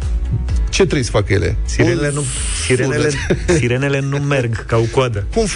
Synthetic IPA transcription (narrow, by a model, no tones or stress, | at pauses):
t͡ʃe̞t̪ɾejsə̥fakəjelḛsiɾeenu | siɾesiɾene̞le̞nume̞rɡkaokwad̪əkumf